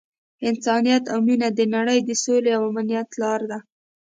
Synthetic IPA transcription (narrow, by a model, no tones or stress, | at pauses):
ɪnsɑnijat̪awminad̪ənaɽəjd̪əsoleawamnijat̪lɑɾd̪a